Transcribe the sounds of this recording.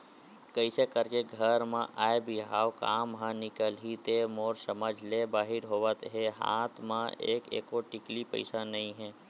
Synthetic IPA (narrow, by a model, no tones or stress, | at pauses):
kəisekəɾkeɡʱəɾmãʔaːebʱiɦaːwkaːmɦãnɪkəlɦit̪emoːɾsəməd͡ʒʱlebaːɦɪɾɦoːʋət̪ɦeɦa̰ːt̪ʰmãḛːkḛːkoʈɪklipə̰ɪsanɐɦĩɦɛ̃ː